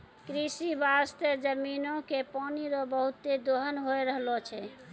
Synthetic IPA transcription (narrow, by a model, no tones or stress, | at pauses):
kɾisibast̪ed͡ʒəminõkepɔniɾɔbəɦut̪ːed̪oɦənɦojɾəɦlɔt͡ʃʰɛ